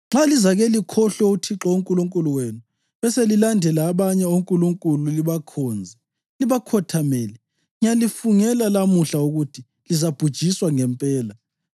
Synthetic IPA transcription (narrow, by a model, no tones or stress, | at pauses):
ŋ͡ǁalizaɣelikʰɔɬɔutʰiǁɔuŋkʼuluŋkʼuluwenu | βɛselilandʱɛlaːβaɲɛoŋkʼuluŋkʼululiβakʰɔːnd͡zʱɛ | liβakʰɔtʰamelɛ | ɲalifuŋɛlalamuɬauɣutʰi | lizab̥ʱud̥ʒ̥ʱiswaŋɛmpʼɛːla